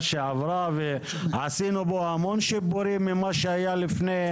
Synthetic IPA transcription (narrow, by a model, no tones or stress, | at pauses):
ʃeʕavɾave | ʕasinoboamonʃiboɾimimaʃeajalifne